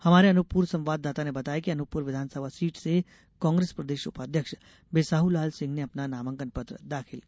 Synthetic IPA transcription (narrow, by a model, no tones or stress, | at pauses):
hɐmaːɾeɐnʊpuːɾsɐ̃mʋaːd̪ːaːt̪anebɐt̪aːjekiɐnʊpuːɾʋɪd̪ʱaːnsəbʱasiːʈse | kɔ̃ːŋɡɾeːspɾɐd̪eːʃʊ̰paːd̪ʱjəkʃ | beːsaːɦulaːlsɪ̃ŋɡneɐpnanaːmə̃ŋkənpɐt̪ɾə̰d̪aːkʰɪl